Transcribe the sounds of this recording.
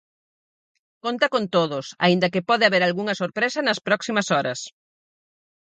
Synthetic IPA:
kont̪ɐkont̪oðʊsa̰ind̪ɐkɪpɔðɪaβeɾalɣuŋɐsoɾpɾesɐnɐspɾɔksimɐsɔɾɐs

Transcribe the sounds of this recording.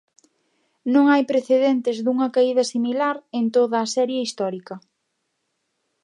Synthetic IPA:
nõŋajpɾeθeðent̪ɪzðuŋɐkaiðɐsimilaɾent̪oðɐːsɛɾjaist̪ɔɾikɐ

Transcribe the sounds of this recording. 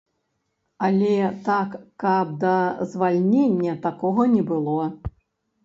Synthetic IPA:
ɐlʲɛt̪akːɐb̚d̪ɐzvalʲnʲenʲːɐt̪akɔɣɐnʲɛbɨlˠɔ

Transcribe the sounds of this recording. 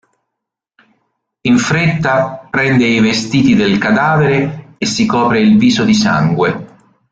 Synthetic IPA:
iɱfɾet̪ːapɾɛnd̪eivest̪iːt̪id̪elkad̪aːveɾeːsːikɔːpɾeilviːsod̪isa̰ŋɡwe

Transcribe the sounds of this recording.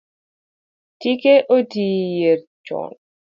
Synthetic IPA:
tikeʔodiːjeɾt͡ʃɔ̰n

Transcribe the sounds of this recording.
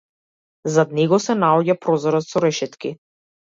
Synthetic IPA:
zad̪̚nɛɡɔsɛnaɔɟapɾɔzɔɾɔt̪sɔɾɛʃɛt̪ki

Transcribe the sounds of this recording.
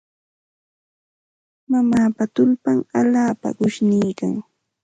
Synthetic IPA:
mamaːpat̪ʊlpaŋaʎaːpa̰ɢʊʃniːka̰ŋ

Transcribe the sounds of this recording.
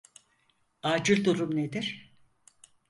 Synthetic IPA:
aːd͡ʒɯɾd̪uɾumned̪iɾ̥

